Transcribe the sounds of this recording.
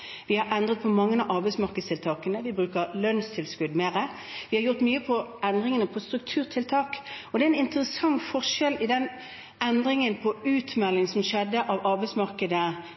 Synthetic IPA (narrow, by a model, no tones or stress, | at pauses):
ʋɪhɑɾʔɛnd̪ʁət̪̚pʰɔmɑŋːənɑʔɑʁbɛɪsmɑʁkəd̪st̪ʰɪlt̪ʰɑːkənəʋɪbʁʉːkəʁlœnst̪ʰɪlskʉd̪meːʁə | ʋɪhɑɾjʊʁt̪myːəpʰɔɛnd̪ʁɪŋənəpʰɔst̪ʁʉk̚t̪ʰʉːʁt̪ʰɪlt̪ʰɑːkɔd̪ɛæɪnɪnt̪əʁəsɑŋfɔʂɛlɪd̪ɛn | ɛnd̪ɾɪŋənpʰɔʉːt̪mɛlːɪŋsɔmʃɛd̪ːəʔɑʋɑʁbɛɪsmɑʁkəd̪ə